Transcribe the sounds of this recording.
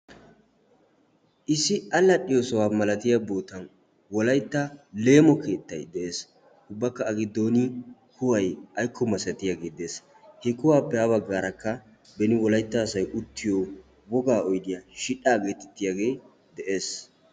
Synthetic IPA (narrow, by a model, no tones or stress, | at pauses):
ʔɪsːɪɐlːɐɗɪjosɔwaːmɐlɐt̪ɪjɐboːt̪ɐn | wɔlɐjt̪ːɐle̞ːmɔke̞ːt̪ːɐjd̪ɛʔe̞ːs | ʊbːɐkːɐːɡɪd̪ːoːnɪkʰʊwɐjɐjkːɔmɐsɛt̪ɪjaɡe̞ːd̪eːs | hɛkʊwaːpːɛabɐɡːaːɾɐkːɐ | bɛnɪwɔlɐjt̪ːaːsɐjʔʊt̪ːɪjoː | wɔɡaːɔjd̪ɪjɐʃɪᶑaːɡe̞ːt̪ɛt̪ːɪjaɡe̞ː | d̪ɛʔe̞ːs